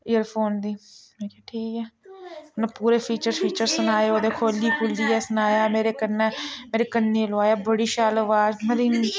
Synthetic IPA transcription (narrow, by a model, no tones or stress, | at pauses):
ɪjəɾpʰoːnd̪iːmẽːkeːʈʰiːkɛːʊnẽːpuːɾeːpʰiːt͡ʃəɾpʰiːt͡ʃəɾsənaːeːoːd̪eːkʰoːliːpʰʊlːiːɛːsənaːjaːmeːɾeːkənːɛːmeːɾeːkənːeːlʊaːjaːbəɽiːʃaːləʋaːzməɾiːn